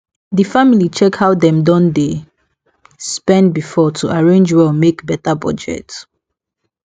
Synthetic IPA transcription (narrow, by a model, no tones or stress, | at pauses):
difamilit͡ʃɛkhaʊdɛ̃mdɔ̃nde | spɛ̃ndbifɔtʰuʔaɹẽnd͡ʒwɛmekbɛtabɔ̰d͡ʒɛ̰t